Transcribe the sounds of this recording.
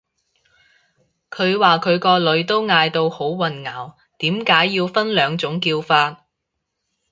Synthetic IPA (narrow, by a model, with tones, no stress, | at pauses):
kʰɵ˨˧ɥwaː˨kʰɵ˨˧ɥkɔː˧lɵ˨˧ɥt̪o˥wŋaː˧jt̪o˧who˨˥wwɐ˨˩nŋaː˨˩w | t̪iː˨˥mkaː˨˥jːiː˧wfɐ˥nlœː˨˧ŋt͡sʊ˨˥ŋkiː˧wfaː˧t̚